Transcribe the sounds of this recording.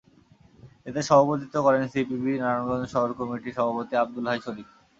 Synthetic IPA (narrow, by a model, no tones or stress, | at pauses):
et̪eʃɔbot̪it̪okɔɾensipibinaɾanɡɔnd̪oʃɔɦoɾkɔmiʈiɾʃɔbʱapot̪iab̚d̪ulɦajʃolif